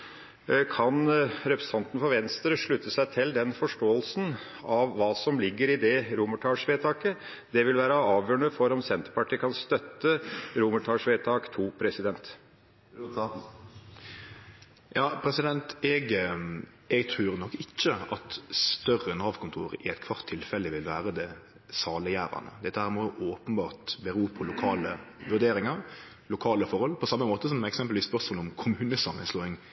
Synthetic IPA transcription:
kʰɑnɾɛpɾəsɑnt̪n̩fɔɾʋɛnst̪əɾəʂɭʉt̪ːəsæɪt̪ʰɪld̪ɛnfɔʂʈoːəlsn̩ | ɑʋːɑːsɔmlɪɡːəɾɪd̪ɛɾʊməʈʰɑːʂʋeːt̪ʰɑːkə | d̪ɛʋɪlʋæːɾəɑːʋjøːɳəfɔɾɔmsɛnt̪əɾpɑʈʰiːəkʰɑnst̪œt̪ːəɾʊməʈʰɑːʂʋeːt̪ʰɑːkt̪ʰuːpʰɾɛsɪd̪ɛnt̪ | jɑːpʰɾɛsɪd̪ɛnt̪ɛɡ | ɛɡt̪ʰɾʉːɾnɔkːɪt͡ʃːəɑt̪st̪œrəɛnhɑʋkʰʊnt̪ʰṵːɾɪɛɪt̪kʰʋɑʁt̪ʰːɪlfɛlːəʋɪlʋæːɾəd̪ɛ | sɑːləjæːɾɑ̰nə̰d̪ɛt̪ːəhæːʁmɔʊʔoːpənbɑːʁt̪bəɾuːpʰɔlʊkʰɑːləʋʉʁd̪eːɾɪŋɑɾ | lʊkʰɑːləfɔʁhɔlpʰɔsɑmːəmoːt̪əsɔmɛksɛmpəlʋiːspœʁsmɔlʊmkʰʊmʉːnəsɑmːə̰nsloːɪŋ

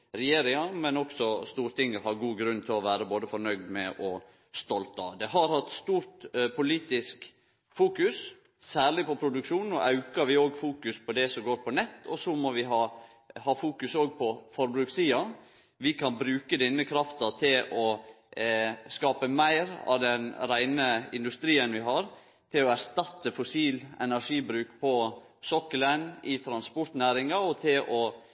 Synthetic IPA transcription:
ɾɛjeːɾɪŋɑmɛnɔksɔst̪uːɾt̪ʰɪŋːəhɑɾɡuːɡɾʉnt̪ʰɪlɔʋæːɾəboːd̪əfɔɾɳœɡd̪mɛʔɔ | st̪ɔlt̪ɑ̰d̪ɛɦɑɾhɑt̪st̪uːɾt̪pʰʊliːt̪ɪsk | fuːkʉs | sæːɭɪpɔpʰɾʊd̪ʉkʂuːnn̩ɔ̰ʔɑʉkɑɾʋɪoːɡfuːkʉspʰɔd̪ɛsɔmɡoːɾpʰɔnɛt̪ːɔsɔmɔʋɪɦɑː | hɑːfuːkʉsoːɡ̚pʰɔfɔɾbɾʉksiːɑn | ʋɪkʰɑnbɾʉːkəd̪ɪnːəkʰɾɑft̪ɑt̪ʰɪlʔɔ | skɑːpəmæɪɾɑ̰ʋd̪ɛnɾæɪnəɪ̰nd̪ʉst̪ɾiːənʋɪɦɑɾ | t̪ʰɪlɔæɾʂt̪ɑt̪ːəfʊsiːlɛ̰næɾʂiːbɾʉːkpʰɔ | sɔkːələnɪt̪ʰɾɑnspɔʈ̪næːɾɪŋɑɔt̪ʰɪlʔɔ

